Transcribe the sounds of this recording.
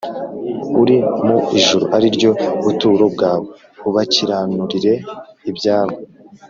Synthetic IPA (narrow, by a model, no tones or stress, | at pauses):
uɾimuiʒuɾo̰ʔaɾiɾɟo̞βutuːɾo̞bɡaːwe | uβaciɾanuɾiɾe̞ibɟaːɾɡo